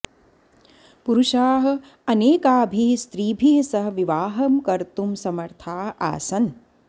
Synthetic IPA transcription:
puɾuʃaːɦɐ̆ | ɐneːkaːbʱist̪ɾiːbʱiɦsɐɦɐʋiʋaːɦɐmkɐɾt̪umsɐmɐɾt̪ʰaːɦa̰ːsɐn

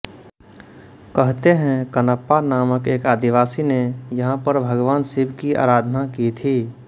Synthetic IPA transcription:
kəɦt̪eɦɛ̃kənəpːanaːməkeːkaːd̪iʋaːsinejəɦãpəɾbʱəɡʋaːnsibʱkiʔa̰ːɾaːd̪ʱnakit̪ʰiː

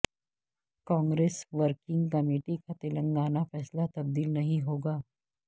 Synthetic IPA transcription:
kɔ̃ːŋɡɾeːsʋəɾkɪ̃ŋɡkɐmeːʈikat̪ɪlə̃ŋɡaːnafɛːslat̪ɐb̚d̪iːlnɐɦĩɦoːɡaː

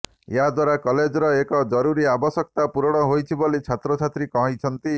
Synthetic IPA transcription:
eɦad̪waɾakɔled͡ʒɔɾɔekɔd͡ʒɔɾuɾiabɔsɔk̚t̪apuɾɔɽ̃ɔɦojt͡ʃʰibolit͡ʃʰat̪ɾɔt͡ʃʰat̪ɾikɔɦĩt͡ʃʰɔnt̪i

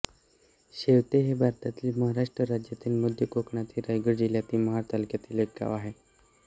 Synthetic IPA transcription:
ɕeʋt̪eɦebʱaɾt̪at̪ilməɦaɾaʂʈɾəɾad͡ʑjat̪iːlmud̪ʱjəkokɳat̪iːɾajɡəɾd͡ʑiljat̪iːməɦat̪alkjat̪iːlekːa̰ʋaɦe

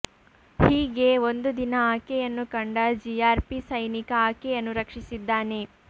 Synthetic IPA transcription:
hiːɡe̞ond̪ud̪inɐaːkejɐnːukɐɳɖɐd͡ʒijaːɾpisɐjnikɐaːkejɐnːuɾɐkʂisid̪ːaːne

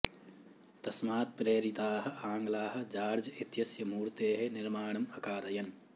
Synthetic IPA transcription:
t̪ɐsmaːt̪̚pɾeːɾit̪aːɦɐ̆aːŋɡlaːɦɐ̆d͡ʒaːɾd͡ʒɐit̪jɐsjɐmuːɾt̪eːɦenɪɾmaːɳ̃ɐmɐkaːɾɐjɐn

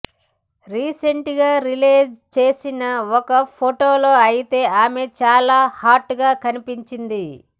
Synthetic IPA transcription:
ɾiːseɳʈɡaːɾileːd͡ʒt͡ʃe̞ːsinɐɔkɐpʰoʈo̞ːlo̞ːɐjit̪e̞ːʔaːme̞t͡ʃaːlaːhaːɾʈːɡaːkɐnipiɲt͡ʃind̪i

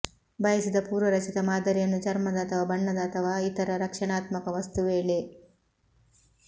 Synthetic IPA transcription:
bʱɐjɐsid̪ɐpuːɾʋɐɾɐt͡ʃit̪ɐmaːd̪ɐɾijɐnːut͡ʃɐɾmɐd̪ɐːt̪ʰɐʋaːbɐɳːɐd̪ɐːt̪ʰɐʋaːit̪ɐɾɐɾɐkʂɐɳaːt̪mɐkɐʋɐst̪uʋeːɭe

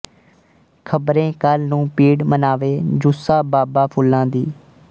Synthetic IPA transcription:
kʰəbɾẽːkəlnũːpiːɖmənaːʋeːd͡ʒʊsaːbaːbaːpʰʊlːãːd̪iː

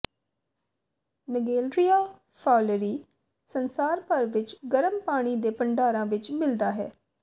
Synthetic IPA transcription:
nəɡeːlɾijaː | pʰaːləɾiː | sənsaːɾpəɾʋɪt͡ʃɡəɾəmpaːɽ̃iːd̪eːpəɳɖaːɾãːʋɪt͡ʃmɪld̪aːɦɛ̰ː

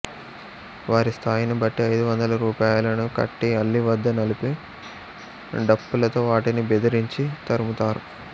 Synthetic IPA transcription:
ʋaːɾist̪ʰaːjɐnibɐʈːiɐjd̪uʋɐnd̪ɐlɐɾuːpaːjlɐnukɐ̰ʈːiɐlːiʋɐd̪ːɐnɐlipi | ɖɐpːulɐt̪o̞ːʋaːʈinibed̪ɐɾiɲt͡ʃit̪ɐɾumut̪aːɾu

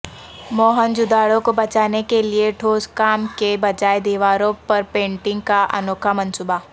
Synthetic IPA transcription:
mɔːɦənd͡ʒʊd̪aːɽõkobɐt͡ʃaːnekelieʈʰoːskaːmkebɐd͡ʒaːed̪iːʋaːɾõpɐɾpẽːɳʈɪ̃ŋɡkaʔɐ̰noːkʰamɐ̃nsuːba

